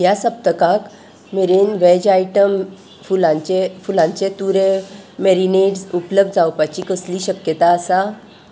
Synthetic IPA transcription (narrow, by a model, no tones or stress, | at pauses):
jasəp̚t̪əkãk | meɾenʋed͡ʑaiʈəm | fulãt͡ɕefulãɲt͡set̪uɾemeɾineɖsupləb̚d̪̚d͡zawpat͡ɕikəsliːɕəkjət̪aːsa